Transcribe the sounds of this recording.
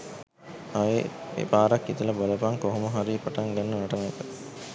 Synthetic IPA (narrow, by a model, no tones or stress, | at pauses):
aeḛpaːɾakːit̪əlɐbolɐpaŋkoɦoməɦaɾiːpaʈaŋɡanːɐnaʈɐmajkə